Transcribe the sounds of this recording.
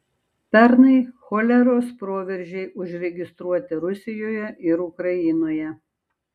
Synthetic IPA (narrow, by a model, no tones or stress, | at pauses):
pʲɛɾnɐɪxoːlʲɛɾoːspɾoːʋʲɛɾʲʒʲɛɪʔʊʒʲɾʲɛɡʲɪst̪ɾuɔt̪ʲɪɾʊsʲɪjoːjɛʔɪɾʊkɾɐjɪnoːjɛ